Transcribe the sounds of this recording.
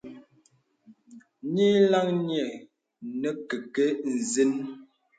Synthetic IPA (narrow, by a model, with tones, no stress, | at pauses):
ɲi˦la˦ŋnjɛ˨ | nɛ˦ke˨kə˦n̩˨zi˦n